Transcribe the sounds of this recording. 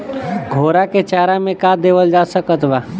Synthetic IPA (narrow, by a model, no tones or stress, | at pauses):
ɡʱoːɾaket͡ʃaːɾamẽkaːd̪eːʋəld͡ʒaːsəkət̪ba